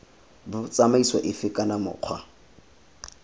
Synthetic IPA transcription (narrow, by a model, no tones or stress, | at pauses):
bʊt͡sʼamaiswa̰ʔɪfɪkʼanamʊ̰ːq͡χʰwa̰